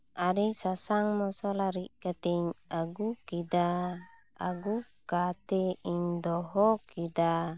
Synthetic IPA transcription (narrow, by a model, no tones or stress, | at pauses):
aɾisasaŋmɔsɔlaɾikat̪ɛɲaɡukida | a̰ɡukat̪ɛiɲd̪ɔɦɔkid̪a